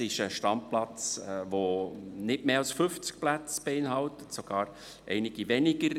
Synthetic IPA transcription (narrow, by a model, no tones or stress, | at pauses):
ɪʃəʃtɑmplɑt͡sʋonɪtmeːɑlsfʏft͡sk̚plæt͡sb̥eɪnɦɑltətsoɡ̥ɑːɾ | ʔɛɪnɪɡ̥ivɛnɪɡ̥əɾ